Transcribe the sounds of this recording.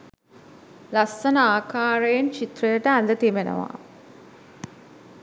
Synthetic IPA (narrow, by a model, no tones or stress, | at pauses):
lasːənəaːkaːɾəjent͡ʃit̪rəjəʈəænd̪ət̪imenə̰ʋa̰